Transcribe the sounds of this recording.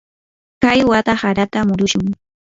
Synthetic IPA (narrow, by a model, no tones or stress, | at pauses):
kajwat̪ahaɾat̪amʊɾʊʃʊŋ